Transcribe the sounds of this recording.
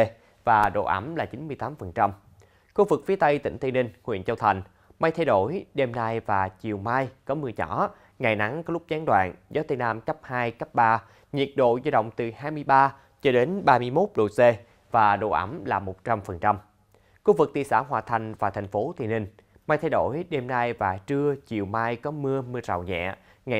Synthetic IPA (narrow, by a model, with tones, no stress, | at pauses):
vaː˨˩ɗo̰˧˨ʔa̰˨˦mlaː˨˩t͡ɕi˨˦nmɨ˧əjt̪aː˨˦mfə˨˩nt͡ɕa˧m | xu˧vɨ˨˩k̚fi˨˦t̪ə˧jt̪ḭ̈˧˩ŋ̟t̪i˧nï˧˩ŋ̟ŋwḭ˧˨ənt͡ɕə˧wt̪ʰa˨˩jŋ̟ | ma˧jt̪ʰa˧jɗo˧˩jɗe˧mna˧jvaː˨˩t͡ɕi˨˩əwmaː˧jkɔ˨˦mɨ˧˩əɲɔ̰˧˩˥ | ŋa˨˩jna˨˦ŋkɔ˨˦lʊ˦˥k͡p̚zaː˨˦ŋɗwa̰ː˧˨nzɔ˨˦t̪ə˧jnaː˧mkə˦˥p̚haː˧jkə˦˥p̚ɓaː˧ | ɲḭ˨˩ət̚ɗo̰˧˨zaː˧ɗə̰˧˨wŋ͡mt̪ɨ˨˩haː˧jmɨ˧əjɓaː˧ | t͡ɕɔ˧ɗe˨˦nɓaː˧mɨ˧əjmo˦˥t̚ɗo̰˧˨se˧ | vaː˨˩ɗo̰˧˨ʔə̰˨˧˦mlaː˨˩mo˨˩t̚t͡ɕa˧mfə˨˩nt͡ɕa˧m | xu˧vɨ˨˩k̚t̪ḭ˧˨əsa̰ː˧˩ɦwaː˨˩t̪ʰa˨˩jŋ̟vaː˨˩t̪ʰɛ˨˩ŋ̟fo˨˦t̪ʰi˧˨ənï˨˩ŋ̟ | maː˧jt̪ʰa˧jɗo˧˩jɗe˧mnaː˧jvaː˨˩t͡ɕɨ˧ət͡ɕi˨˩əwmaː˧jkɔ˨˦mɨ˧əmɨ˧əza̰ː˧˨wɲɛ̰˧˨ŋa˨˩